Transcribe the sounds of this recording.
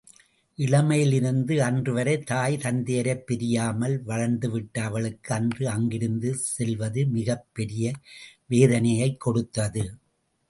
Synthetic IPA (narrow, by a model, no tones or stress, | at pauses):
ʔɪɻɐmɐjɪlɪɾɯnd̪ɯɐndrɯʋɐɾɐɪt̪aːjt̪ɐnd̪ejɐɾɐɪpːɛɾɪjaːmɐlʋɐɻɐɳd̪ɯʋɪʈːɐɐʋɐɭɯkːɯɐndrɯɐŋɡɪɾɯnd̪ɯsɛlʋɐðɯmɪɣɐpːɛɾɪjɐʋeːðɐnɐjɐɪkːɔɽɯt̪ːɐðɯ